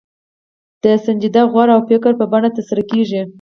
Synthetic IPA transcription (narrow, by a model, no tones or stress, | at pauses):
d̪̥əsand͡ʒid̪aɣwɑɾaawpɪkaɾpəbaɳat̪əɾsaɾakeʒi